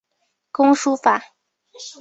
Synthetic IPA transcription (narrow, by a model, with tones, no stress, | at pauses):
kʊ˥ŋʂu˥fa˨˩˦